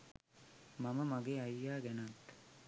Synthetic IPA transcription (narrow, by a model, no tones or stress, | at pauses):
mɐməmaɡeːɐjːaːɡɛnat̪ː